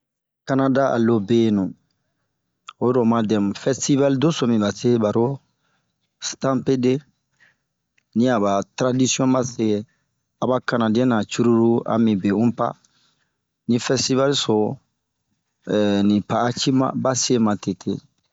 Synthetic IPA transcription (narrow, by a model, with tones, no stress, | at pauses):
ka˦na˦da˦a̰˨lo˦be˦nũ˨ | o˦do˨ma˦dɛ̃˨mfɛ˦sti˦va˦li˦do˦so˨mĩ˨ba˨se˦ba˨ɾo˦ | stã˦mpe˦de˦ | nĩ˦a˨ba˨tɾa˦di˦sijɔ̃˦ba˦se˦e˦ | a˨ba˦ka˨na˨dẽ˦na˨t͡ʃu˦ɾu˦ɾu˦a̰˨mĩ˨be˨ũ˦pa̰˦ | nĩ˦fɛ˦sti˦va˦li˦so˨ | nĩ˨paː˨˦t͡ʃi˦mã̰˨ba˦se˦mã˨te˨tʰḛ˨